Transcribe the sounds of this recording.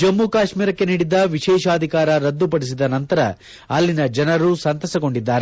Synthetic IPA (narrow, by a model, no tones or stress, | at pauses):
d͡ʒɐmːukaːʃmiːɾɐkːe̞niːɽid̪ɐʋiʃɛːʃaːd̪ʱikaːɾɐɾɐd̪ːupɐɽis̬id̪ɐnɐnt̪ɐɾɐ | ɐlːinɐd͡ʒɐnɐɾusɐnt̪ɐsɐɡo̞ɳɖid̪ːaːɾe